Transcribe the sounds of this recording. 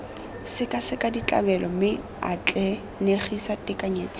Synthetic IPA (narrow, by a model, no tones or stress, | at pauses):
sɪkʼasɪkʼadit͡ɬʼa̰bɛlʔɔmɪ | a̰t͡ɬʼɛ | neχisatɪkʼaɲeːt͡sʼ